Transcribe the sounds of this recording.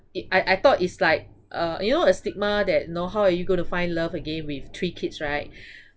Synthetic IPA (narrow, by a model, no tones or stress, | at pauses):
ʔaɪʔaɪt̪ɔtitslaɪk̚ | ʔʌjunoəstik̚mədɛt̚jnoɦaʊajuɡõɪ̃tufãɪ̃nləvəɡẽnwiftʰɹikʰitsɹaɪt̚